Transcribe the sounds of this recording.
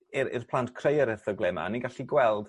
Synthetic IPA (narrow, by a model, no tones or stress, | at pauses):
ɪɾɪ̰rpʰlˠantkʰrejəɾɛrθɔɡlˠɛma̰niɡaɬiɡwɛlˠd̥